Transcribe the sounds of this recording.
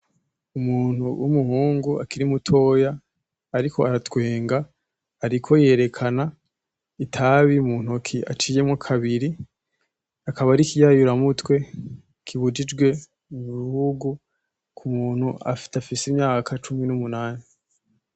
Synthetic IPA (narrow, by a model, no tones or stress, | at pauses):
umuːn̥huwʔṵmuhuːŋɡuakiɾimutʰo̞ːjaː | ɾikʰo̞aɾatwe̞ːŋɡaː | ɾikʰo̞je̞ːɾe̞kʰana | itʰaβiumuːn̥ukʰia̰t͡ʃijemŋakʰaβiɾi | akaβaɾikijajuɾamutwe̞ | kʰiβud͡ʒid͡ʒɡwe̞ | uββihuɡu | kʰumuːn̥hua̰fi̥tafisimɲaːkʰat͡ʃuminumunaːni